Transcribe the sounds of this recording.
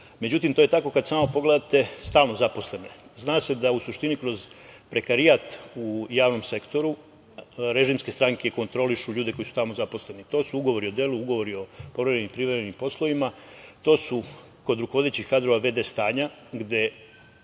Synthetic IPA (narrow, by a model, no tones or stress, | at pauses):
me̞d͡ʑut̪imt̪o̞jet̪ako̞kad̪saːmopo̞ɡle̞d̪at̪e̞st̪aːlnozapo̞sle̞nojeznaːse̞d̪ausuʃt̪inikɾo̞zpɾe̞kaɾijaːt̪ujaːʋno̞mse̞kt̪o̞ɾu | ɾe̞ʒimskest̪ɾaŋke̞ko̞nt̪ɾo̞liʃuʎuːd̪e̞ko̞jisu̥t̪aːlmozapo̞sle̞nit̪o̞ːsuuɡo̞ʋo̞ɾio̞d̪e̞ːluuɡo̞ʋo̞ɾio̞po̞ʋɾeenimpɾiʋɾemenimpo̞slo̞ʋimat̪oːsu | ko̞d̪ɾukoʋo̞d̪et͡ɕikad̪ɾo̞ʋaʋe̞d̪e̞st̪aːɲaɡd̪e̞